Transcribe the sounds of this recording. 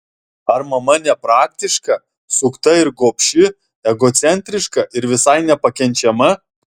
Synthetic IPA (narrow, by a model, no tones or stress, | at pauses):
ɐɾmɐmɐnʲɛpɾɑːk̚t̪ʲɪʃkɐ | sʊkt̪ɐɪɾɡoːpʲʃʲɪ | ɛɡoːt̪sʲɛnʲt̪ʲɾʲɪʃkɐʔɪɾʋʲɪsɐɪnʲɛpɐkʲɛnʲt͡ʃʲɛmɐ